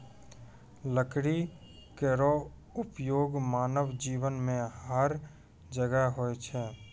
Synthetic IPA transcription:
ləkɽi | keɾo | ʊpjoːɡmaːnəʋd͡ʒiːʋənmẽɦəɾ | d͡ʒəɡəɦoet͡ʃʰɛː

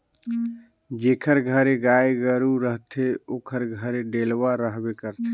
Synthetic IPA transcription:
d͡ʒeːkʰəɾɡʱəɾeɡajeɡəɾuɾəɦt̪ʰeoːkʰəɾɡʱəɾeɖelʋaɾəɦbekəɾt̪ʰe

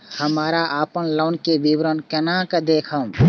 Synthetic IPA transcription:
həmaːɾaʔaːpənləːnkeʋiʋɾənkɐnãkəd̪eːkʰə̃m

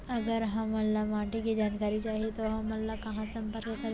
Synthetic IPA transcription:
ɐɡəɾɦɐmɐlːamãːʈikid͡ʒaːnkaːɾit͡ʃaːɦiet̪oɦɐmɐlːakɐɦãsɐ̃mpəɾkkɐ

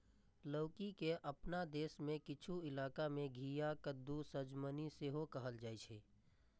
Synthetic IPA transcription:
ləːkikeʔəpnad̪eːsmẽkɪt͡ʃʰuɪlaːkamẽɡʱijakəd̪ːusəd͡ʒməniseɦokəɦəld͡ʒaːit͡ʃʰeː

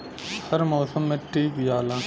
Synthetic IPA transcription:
hɐɾmoːsəmːẽːʈiːbjaːlãː

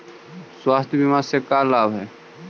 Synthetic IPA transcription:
swaːst̪ʰjbimasekalaːbʱɦɛː

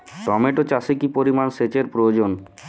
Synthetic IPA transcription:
ʈɔmeʈot͡ɕasikipoɾimanset͡ɕeɾpɾood͡ʑon

